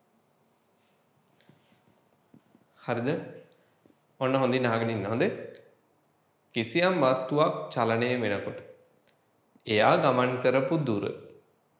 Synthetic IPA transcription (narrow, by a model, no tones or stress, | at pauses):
haɾid̪ə | onːəɦõnd̪inaːɡəninːəɦond̪e | kisijamʋast̪uʋakt͡ʃalanejəʋenəkoʈə̥ | eaːɡamankəɾəpud̪uɾə̰